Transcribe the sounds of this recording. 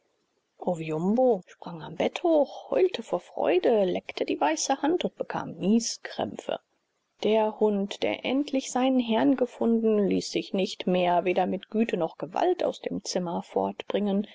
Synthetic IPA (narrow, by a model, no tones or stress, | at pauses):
ʔoviʊmboʃpʁ̥aŋambɛthoːxhɔ̰ʏltʰəfoːɐfʁ̥ɔ̰ʏdəlɛktʰədiːvaɪsəhantʊnt̚b̥əkʰa̰ːmniːskʁ̥ɛ̰mfə̰ | d̥eːɐhʊntd̥ḛːɐʔɛntʰlɪçz̥aɪnənɦɛɐnɡəfʊndn̩liːsz̥ɪçnɪçtmeːɐveːdɐmɪtɡ̥yːtʰənɔχɡ̥əva̰lta̰ʊsd̥eːmt͡sɪmɐfɔ̰ɐtb̥ʁɪŋən